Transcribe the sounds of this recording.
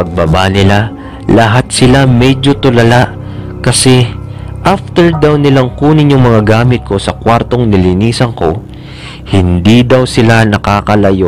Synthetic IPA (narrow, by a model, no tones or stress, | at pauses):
pɐɡ̚bɐbanɪla | lɐɦat̪̚sɪlamɛd͡ʒo̞t̪ʊlɐlaʔ | kɐsɛʔaft̪ɛɹd̪awnɪlaŋkuːnɪɲoŋmɐŋaɡaːmɪt̪̚ko̞sɐkwaɾt̪o̞ŋnɪlɪniːsɐŋko̞ | hɪnd̪id̪awsɪlanɐkaːkɐlɐjo